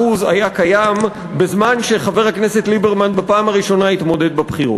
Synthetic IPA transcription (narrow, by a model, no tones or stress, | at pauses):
uzajakajam | be̞zmanʃe̞χave̞ʁhakne̞set̪libe̞ʁmanbapaːmaʁiʃo̞nait̪mo̞de̞d̪babχiʁṵt